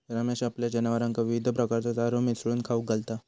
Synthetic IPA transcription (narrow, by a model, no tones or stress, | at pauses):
t̪əɾamaɕapljad͡ʑənʋaɾãŋkaʋiʋid̪ʱəpɾəkaɾt͡sat̪aɾomisɾuːnkʰauk̚ɡalt̪a